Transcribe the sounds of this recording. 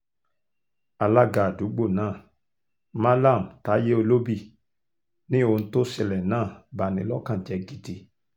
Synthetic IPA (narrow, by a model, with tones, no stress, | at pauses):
a˨la˦ɡa˨du˨˦ɡ͡bo˦˨nãː˦˨ | ma˦la˦˨mta˨˦je˦o˧lo˦bi˦˨ | nĩ˦o˧n̩˦to˦si˧˨lɛ˨nãː˦˨ba˨nĩ˨˦lɔ˦kã˦˨d͡ʒɛ˨˦ɡi˨di˨˦